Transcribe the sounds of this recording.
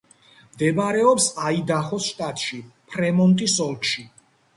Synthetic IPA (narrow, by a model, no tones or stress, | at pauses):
md̪ɛbaɾɛɔpsaid̪aχɔsʃt̪ʼat̪ʼʃipʰɾɛmɔnt̪ʼisɔlˠkʰʃi